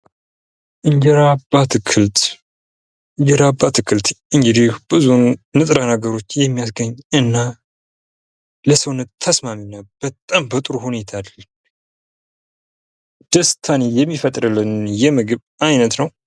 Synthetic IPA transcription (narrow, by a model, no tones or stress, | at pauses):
ʔɨɲd͡ʒɛɾabat̪kʰɨlt̪ | ɨɲd͡ʒɛɾabːat̪ɨkʰɨlt̪ɨŋɡɨd̪ihb̥ɨzunːɨt̪ʼɾanaɡəɾo̞t͡ʃːjɛmːijasɡəɲːɨnːa | ləsəwnɨt̪ʰːəsmaminːab̥ət̪ʼːambət̪ʼɨɾuhune̞t̪ʰaal | d̪̥əst̪ʰanejɛmːifət̪ʼɾɨlːɨnjɛmɨɡɨβ | ajnət̪nəw